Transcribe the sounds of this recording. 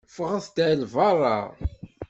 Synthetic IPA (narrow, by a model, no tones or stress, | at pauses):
fəʁaθt̪ælvɑɾˤɑ̰